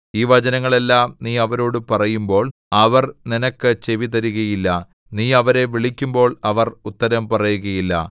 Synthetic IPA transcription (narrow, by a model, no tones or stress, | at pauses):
iːʋɐd͡ʑɐnɐŋːɐɭe̞lːaːmniːɐʋɐɾo̞ːɽɨpɐrɐjumbo̞ːɭɐʋɐrninɐkːɨt͡ɕe̞ʋit̪ɐɾuɣɐjilːɐ | niːɐʋɐɾe̞ʋiɭikʲːumbo̞ːɭɐʋɐrut̪ːɐɾɐmpɐrɐjuɣɐjilːɐ̰